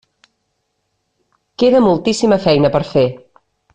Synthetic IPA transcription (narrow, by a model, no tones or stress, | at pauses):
keðəmulˠt̪isiməfɛjnəpəɾfe